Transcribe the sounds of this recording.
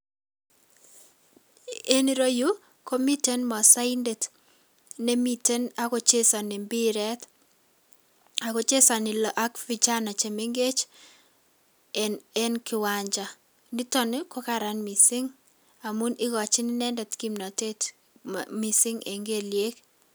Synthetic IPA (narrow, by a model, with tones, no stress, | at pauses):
e˦niɾo˦ju˦ | ko˦mi˦te˦nmɔ˨sa˦inde˨t | ne˦mi˦te˦na˨ko˦t͡ʃe˦sa˨ne˨mbi˦ɾɛ˦t | a˨ko˨t͡ʃe˦sa˨nɪ˨lɔ˨ʔa˦kfi˨t͡ʃa˦na˨t͡ʃe˨me˦ŋɡe˦t͡ʃ | ɛ˦nkɪ˨wa˨ɲd͡ʒa˨ | ni˦tɔ˦ne˦ko˦ka˦ɾa˨nmi˨sɪ˦ŋ | a˨mu˦nɪ˦ɣɔ˨t͡ʃɪ˦ni˦nɛ˦ndɛ˨tki˦mna˨te˦t | mi˨sɪ˦ŋe˨ŋɡe˦lje˦k